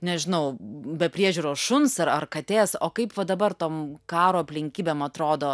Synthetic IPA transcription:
nʲɛʒʲɪnɐʊbʲɛpʲɾʲiɛʒʲuːɾoːsʃʊnsɐɾɐrkɐt̪ʲeːsoːkɐɪpʋɐd̪ɐbɐɾt̪oːmkɑːɾoːɐpʲlʲɪŋʲkʲiːbʲeːmɐt̪ɾoːd̪oː

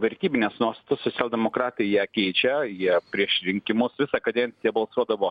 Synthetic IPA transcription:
ʋʲɐɾʲt̪ʲiːbʲɪnʲeːsnuɔst̪ɐt̪oːssosʲælˠʲd̪ʲɛmokɾɑːt̪ɐɪjiɛkʲɛɪt͡ʃʲɛjiɛpʲɾʲiɛʃɾʲɪŋʲkʲɪmʊsʋʲɪsɐkɐd̪ʲɛnʲtsʲɪjɛbɐlˠsuɔd̪ɐʋoː

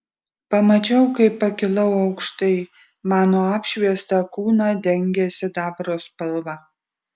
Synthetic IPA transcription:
pɐmɐt͡ʃʲɛʊkɐɪpːɐkʲɪlˠɐʊɐʊkʃt̪ɐɪ | mɑːnoːɑːpʲʃʲʋʲiɛst̪ɐkuːnɑːd̪ʲɛŋʲɡʲɛsʲɪd̪ɑːbɾoːspɐlˠʋɐ

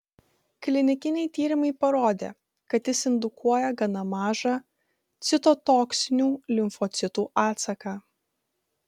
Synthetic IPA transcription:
klʲɪnʲɪkʲɪnʲɛɪt̪ʲiːɾʲɪmɐɪpɐɾoːd̪ʲḛː | kɐt̪jɪsɪnd̪ʊkʰuɔjɛɡɐnɐmɑːʒɑː | t̪sʲɪt̪ɔt̪oːksʲɪnʲuːlʲɪmfɔt̪sʲɪt̪uːʔɑːt̪sɐkɑː

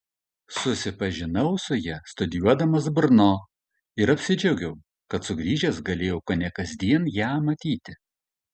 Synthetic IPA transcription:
sʊsʲɪpɐʒʲɪnɐʊsʊjɛst̪ʊd̪ʲɪjuɔd̪ɐmɐsbʊɾnoː | ɪɾɐpʲsʲɪd͡ʒʲɛʊɡʲɛʊ | kɐt̪sʊɡɾʲiːʒʲɛsɡɐlʲeːjɛʊkoːnʲɛkɐzʲd̪ʲiɛnjæːmɐt̪ʲiːt̪ʲɪ

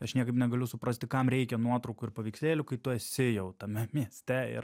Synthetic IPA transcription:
ɐʃnʲiɛkɐɪpnʲɛɡɐlʲʊsʊpɾɐsʲt̪ʲɪkɐmɾʲɛɪkʲɛnuɔt̪ɾɐʊkuɪɾpɐʋʲiːksʲeːlʲʊkɐɪt̪ʊɛsʲɪjɛʊt̪ɐmʲɛmʲiɛsʲt̪ʲɛɪ̰r

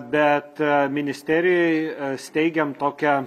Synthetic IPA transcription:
bʲɛt̪mʲɪnʲɪsʲt̪ʲæːɾʲɪjɛɪsʲt̪ʲɛɪɡʲɛmt̪oːkʲɛ

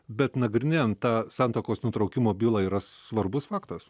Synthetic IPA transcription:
bʲɛt̪nɐɡɾʲɪnʲeːnt̪ɑːsɑːnt̪oːkoːsnʊt̪ɾɐʊkʲɪmoːbʲiːlˠɑːiːɾɐsʋɐɾbʊsfɑːkt̪ɐs

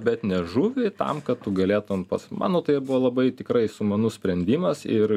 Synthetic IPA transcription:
bʲɛt̪nʲɛʒuːʋʲɪt̪ɐ̰mkɐt̪t̪ːʊɡɐlʲeːt̪ʊnpɐsmʔɑ̰ːnoːt̪ɐɪjɛbuʋɐlˠɐbɐɪt̪ʲɪkɾɐɪsʊmɐnʊsʲpʲɾʲɛnʲd̪ʲiːmɐsɪɾ

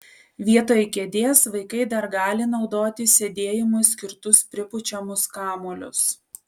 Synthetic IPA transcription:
ʋʲiɛt̪oːjɪkʲed̪ʲeːsʋɐɪkɐɪd̪ɐɾɡɑːlʲɪnɒʊd̪oːt̪ʲɪsʲed̪ʲeːjɪmʊsʲkʲɪɾt̪ʊspʲɾʲɪpʊt͡ʃʲɛmʊskɑːmoːlʲʊ̰s

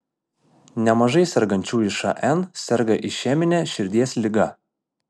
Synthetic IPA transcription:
nʲɛmɐʒɐɪsʲɛɾɡɐnʲt͡ʃʲuːɪʃɐ̰ʔɛnsʲɛɾɡɐʔɪʃʲæːmʲɪnʲɛʃʲɪɾʲd̪ʲiɛsʲlʲɪɡɐ

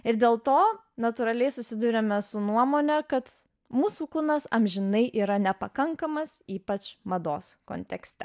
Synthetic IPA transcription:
ɪɾd̪ʲeːlˠt̪oː | nɐt̪ʊɾɐlʲɛɪsʊsʲɪd̪uːɾʲɛmʲɛsʊnuɔmoːnʲɛkɐt̪ | muːsuːkʊnɐsɐmʲʒʲɪnɐɪʔiːɾɐnʲɛpɐkɐŋkɐmɐsiːpɐt͡ʃmɐd̪oːsko̰nʲt̪ʲɛksʲt̪ʲɛ

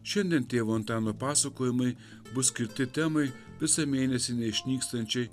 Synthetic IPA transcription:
ʃʲɛnd̪ʲiɛnt̪ʲeːʋoːɔnt̪ɑːnoːpɑːsɐkoːjɪmɐɪ | bʊsʲkʲɪɾʲt̪ʲɪt̪ʲɛmɐɪ | ʋʲɪsɐmʲeːnʲɛsʲɪnʲɛɪʃʲnʲiːkst̪ɐnʲt͡ʃʲɛɪ

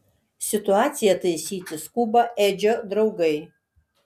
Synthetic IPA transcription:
sʲɪt̪ʊɑːt̪sʲɪjɛt̪ɐɪsʲiːt̪ʲɪskubɐʔeːd͡ʒʲoːd̪ɾɒʊɡɐɪ

